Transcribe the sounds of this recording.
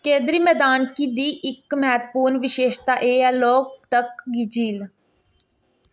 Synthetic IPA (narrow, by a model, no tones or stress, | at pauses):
kẽːd̪ɾiːmɛːd̪aːnkiːd̪iːʔɪkmɛːt̪puːɾnʋɪʃeːʃt̪aːʔeːɛːloːk̚t̪əkɡɪd͡ʒiːl